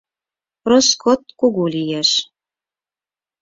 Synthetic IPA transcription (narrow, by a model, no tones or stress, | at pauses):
roskot̪̚kuɣulijæʃ